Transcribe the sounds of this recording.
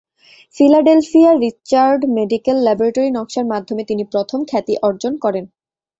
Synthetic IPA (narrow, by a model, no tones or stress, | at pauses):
filaɖelfiaɾit͡ɕaɾɖmeɖikelːɛboɾaʈoɾinɔkʃaɾmad̪ʱːomet̪inipɾot̪ʰomkʰɛt̪iʔɔɾd͡ʑonkɔɾen